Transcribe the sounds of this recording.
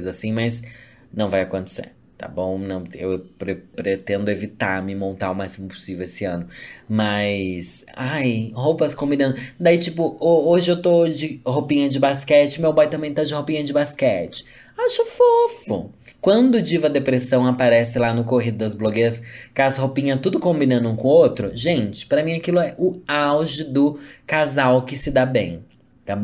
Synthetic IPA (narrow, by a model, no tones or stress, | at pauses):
jzasĩmɐs | nɐ̃w̃vajakõnt̪e̥sḛɾ | t̪a̰bõw̃nɐ̃w̃ḛwpɾepɾet̪ẽnd̪ʊevit̪aɾmɪmõnt̪aʊmasimʊpʊ̥sivewesɪɐ̃nʊmɐsajhowpɐskõmbid̪ɐ̃nd̪ʊd̪ait͡ʃipʊooʒɪewt̪od͡ʒɪhopĩɲɐd͡ʒɪbaskɛt͡ʃɪmewbajt̪ɐ̃mbẽj̃t̪ad͡ʒɪhopĩɲɐd͡ʒɪbaskɛt͡ʃɪ̥ | aʃɐfofʊ̰kwɐ̃nd̪ʊd͡ʒivɐd̪epɾesɐ̃w̃apaɾɛsɪlanʊkoɦid̪ʊd̪ɐzbloɡejɾɐskazhopĩɲɐt̪ud̪ʊkõmbinɐ̃nd̪ʊũkõot̪ɾʊʒẽnt͡ʃɪ̥pɾɐmĩɲakilʊɛʔʊawʒɪd̪ʊkazawkɪsɪd̪abḛ̃j̃ | t̪ab̃